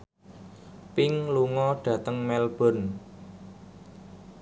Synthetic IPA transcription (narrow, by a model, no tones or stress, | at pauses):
pɪŋluŋɔɖ̥ä̤t̪əŋmɛlb̥ɔ̤n